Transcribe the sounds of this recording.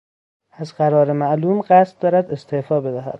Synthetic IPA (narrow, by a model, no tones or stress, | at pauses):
æzɢæɾɒːɾemæʔluːmɢæst̪̚d̪ɒːɾæd̪e̞st̪ʰeʔfɒːbe̞d̪æɦæ̰d̪